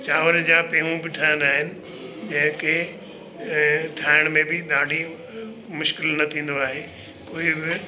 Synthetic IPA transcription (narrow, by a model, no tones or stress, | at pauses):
t͡ɕaːʋəɾd͡ʑaːpeːɦũbɪʈʰaːɪnaːɦɪnɪ̆ | d͡ʑɐ̃ɦɪ̃ke | ʈʰaːɪɽ̃mẽbɪd̪aːɖ̤ʱi | mʊʃkɪlnɐt̪ʰĩːn̆d̪oaːɦeː | koːɪbɪ